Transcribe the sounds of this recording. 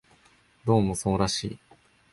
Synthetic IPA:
d̪o̞ːmo̞soːɾaɕḭː

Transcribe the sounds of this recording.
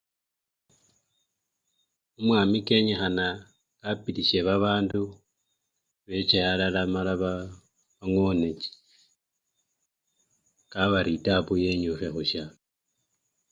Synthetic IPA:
umwaːmikeɲexana | kapiliʃeβaβaːndu | βet͡ʃealalamalaβa | βaŋoneci̥ | kaβaɾitapuje̞ɲuxexuʃa

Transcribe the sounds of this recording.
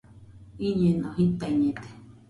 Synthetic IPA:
iɲenõhit̪aiɲẽt̪e̥

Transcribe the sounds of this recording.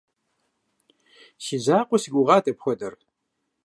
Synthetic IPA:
sizaːqʷɔsiɡʷʊʁɑːtʼɐpxʷɔdɐr

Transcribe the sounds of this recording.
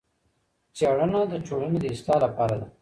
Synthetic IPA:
t͡ʃaɽənad̪ət͡ʃoɽaned̪əɪst̪ɑlapɑɾad̪a

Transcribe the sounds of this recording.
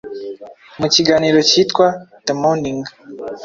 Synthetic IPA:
mut͡ʃiɡanilɔt͡ʃitkwatɛmɔniŋɡ

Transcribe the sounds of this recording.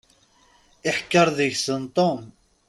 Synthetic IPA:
ɪħkːəɾˤðəʝsənt̪ˤon

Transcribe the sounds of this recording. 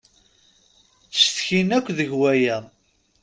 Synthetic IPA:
θsθçinækʷːðəʝwæjæ

